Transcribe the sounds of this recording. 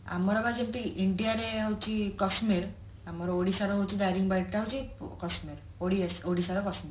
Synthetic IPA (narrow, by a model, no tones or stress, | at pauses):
a̰mːɔɾabad͡ʑemp̪iʔiɳʈiaɾeawt͡ɕikɔsmiɾ | amɔɾoɽisaɾaɦowt͡ɕid̪ajɾiŋɡbajʈ̚kawt͡ɕikɔsmiɾ | oɽiesoɽisaɾakɔsmiɾ